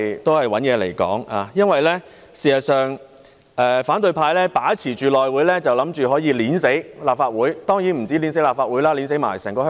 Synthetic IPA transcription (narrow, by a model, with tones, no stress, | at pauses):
t̪o˥whɐ˨jwɐ˨˥njɛː˨˧lḛ˨˩jkɔ̰ː˨˥ŋaː˨˧jɐ˥nwɐ˨jlɛː˥ | siː˨˩hɐ˨sœː˨ŋ | ʔɛː˧faː˨˥nt̪ɵ˧ɥpʰaː˧jlɛː˥paː˨˥t͡sʰiː˨˩t͡ʃyː˨lɔː˨jwuː˨˥jlɛː˥t͡sɐ˨wlɐ˨˥mt͡ʃyː˨ɦɔː˨˥jiː˧liː˨˥nse˨˥jlaː˨p̚faː˧t̚wuː˨˥jt̪ɔː˥ŋjiː˨˥nm̩˨˩t͡siː˨˥liː˨˥ns̬e˨˥jlaː˨pfaː˧t̚wuː˨˥jlaː˥li˨˥ns̬e˨˥jma̰ː˨˩jsɛː˨˩ŋkɔː˧˥